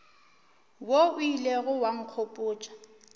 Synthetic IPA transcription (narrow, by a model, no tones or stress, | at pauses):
woʊileɣʊwaŋ̩kʰopʼʊːt͡ʃʼḁ